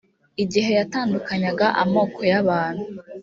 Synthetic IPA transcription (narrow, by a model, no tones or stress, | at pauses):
iɟiɦe̞jataːndukaɲaɡaʔamo̞ːkʰo̞jaβaːn̥hu